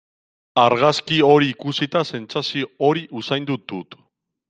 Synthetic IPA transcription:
aɾɣaskio̞ɾiːkusit̪ase̞nt͡sasiooɾiʔusajnd̪ut̪ːut̪

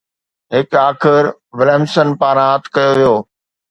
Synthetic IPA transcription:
ɦɪkaːxɪɾʋɪleːmsənpaːɾaːt̪ʰkɐjoʋijoː

